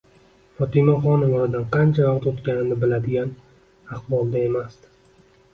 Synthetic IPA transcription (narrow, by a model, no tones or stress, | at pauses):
fɒt̪ʰɪmaχɒnɪvɒɾad̪anqʰɑnt͡ʃʰavaqt̪ot̪kʲanɪnɪbɪlad̪ɪɡʲan | aχbɒlˠd̪ae̞mas